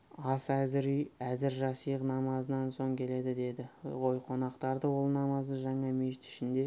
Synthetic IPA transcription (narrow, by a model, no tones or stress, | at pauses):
ɑsæzɪɾijæzɪɾʒɑsijqnɑmɑzənɑnso̞ɴkʲʰe̞le̞d̪ɪd̪e̞d̪ɪʁo̞jqʰo̞nɑqt̪ɑɾd̪əwo̞lˠnɑmɑzəʒɑɴɑme̞ʃɪt̪ɪ̥ʃɪnd̪e̞